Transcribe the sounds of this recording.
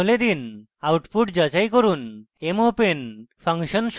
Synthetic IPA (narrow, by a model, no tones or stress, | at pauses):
led̪in | awʈpuʈd͡ʑat͡ɕajkoɾun | emopenfʰaŋʃonʃ